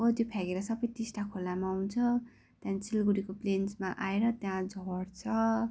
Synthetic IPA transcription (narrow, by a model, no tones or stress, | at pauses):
ot̪jopʰjaɡeɾʌsʌbʌjt̪isʈakʰolamaunt͡sʰʌ | t̪jãnt͡silɡuɾikoplensmaʔaeɾʌt̪jãd͡zʱʌɽt͡sʰʌ